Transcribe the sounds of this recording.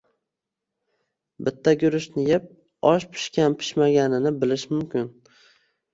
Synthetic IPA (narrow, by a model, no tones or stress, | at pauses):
bɪt̪ʰːaɡʲʊɾɪʃnɪjɪp̚ | ɒʃpʰɪ̥ʃkʲanpʰɪ̥ʃmaɡʲanɪnɪbɪlɪʃmʊmkʲɪn